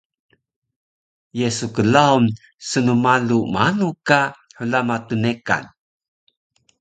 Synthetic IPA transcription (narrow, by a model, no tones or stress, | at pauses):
jesukəlaun | sənumalumanukaħulamatuneka̰n